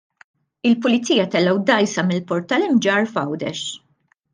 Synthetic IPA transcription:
ɪlpʊlɪt͡siːjɐt̪ɛlːɛwd̪ɐjsɐmɪlpɔɾt̪ɐlɪmd͡ʒɐːɾfɐwd̪ɛ̰ʃ

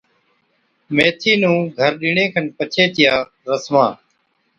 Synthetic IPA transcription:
meːt̪ʰiːnũːɡʱəɾɗɪɳẽːkʰənpət͡ʃʰeːt̪ɪjaː | ɾəsmãː

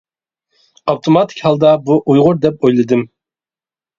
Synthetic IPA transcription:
ɑwt̪ʰomɑt̪ʰɪ̥kʲhɑlˠd̪ɑbuʔujʁʊɾd̪ɛp̚ojlˠɨd̪ɨm

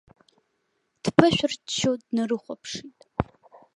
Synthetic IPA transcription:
d̥pʰɨʃᶣʊrtt͡ʃʰodnɨrɨχʷapʰʂitʼ

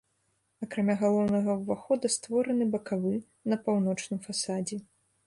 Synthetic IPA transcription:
ɐkɾamʲaɣalˠɔwnɐɣɐwvaxɔd̪ɐst̪vɔɾɐnɨbɐkavɨ | nɐpawnɔt͡ʂnɨmfasad͡zʲɛ

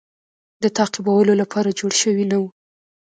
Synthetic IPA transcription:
d̪ət̪ɑqibawəlolapʰɑɾad͡ʒoɽʃəwinawu

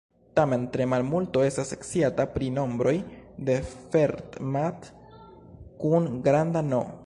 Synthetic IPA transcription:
tame̞ntɾe̞malmulto̞e̞stasekt͡siatapɾino̞mbɾo̞jde̞fe̞ɾtmat | kunɡɾandano̞̰

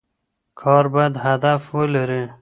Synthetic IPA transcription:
kʰɑɾbɑjad̪had̪afwəlaɾi

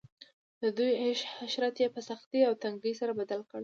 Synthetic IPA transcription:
d̪̥əd̪ujeʃhaʃɾat̪jepəsaxt̪iawt̪aŋɡəjsaɾabad̪alkəɽ

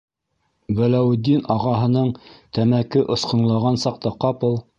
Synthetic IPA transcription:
wælæwd̪ːinɑʁɑɦɤ̆nɤɴt̪æmækɘʔŏsqɤ̆ɴlˠɑʁɑnsɑq̚t̪ɑqɑpɤlˠ

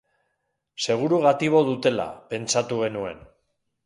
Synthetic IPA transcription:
se̞ɣ̞uɾuɣat̪iβ̞o̞ðut̪e̞la̰pe̞nt͡sat̪uɣ̞e̞nue̞̰n

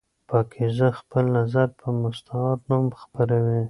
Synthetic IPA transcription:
pɑkʰezəxpəlnazaɾpʰəmʊst̪ɑt̪numxpəɾawi

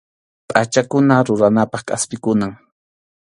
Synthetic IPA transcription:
pʼat͡ʃakʊnaɾʊɾanapɑχkʼaspɪkʊnaŋ

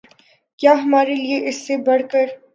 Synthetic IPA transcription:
kjaːɦɐmaːɾelieʔɪsːebɐɽkəɾ

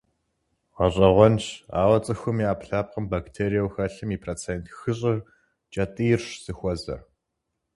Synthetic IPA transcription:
ʁɐɕʼɐʁʷɔnʃa̰ːwɐt͡sʼɨxʷʊmiːaːpɬaːp̚qəmbaktʰeːɾijɐwxɐɬɨmiːpʰroːt͡sʰeːntxɨɕʼɪr | d͡ʒʼɐtʼɨjɪrʃz̥ɨxʷɔzɐ̰r

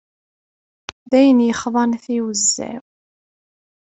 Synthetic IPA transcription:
ðæjənjəχðˤɑnθiwəzːæ̰w

